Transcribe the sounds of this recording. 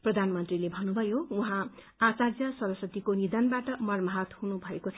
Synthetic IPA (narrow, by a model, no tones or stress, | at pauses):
prʌd̪ʱanmʌnt̪rilebʱʌnːubʱʌjouɦã | at͡sad͡zjʌsʌɾʌsʌt̪ikonid̪ʌnbaʈʌmʌrmaɦʌt̪hunubʱʌekot͡sʰ